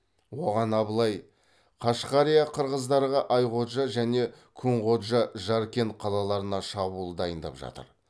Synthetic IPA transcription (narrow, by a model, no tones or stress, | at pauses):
wo̞ʁɑnɑbəlˠɑj | qʰɑʃqɑɾijɑqʰəɾʁəzd̪ɑɾʁɑʔɑjqo̞t̪ʒɑʒæne̞ | kʲʰɵɴqo̞t̪ʒɑʒɑɾkʲe̞nqʰɑlˠɑlˠɑɾənɑʃɑbulˠəd̪ɑjənd̪ɑ̰pʒɑ̰t̪ə̰ɾ